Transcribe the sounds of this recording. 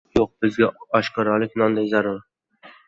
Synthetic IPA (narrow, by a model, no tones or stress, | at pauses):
joq̚bɪzɡʲaɒʃqɑɾɒlɪkʲnɒnd̪ajzaɾʊɾ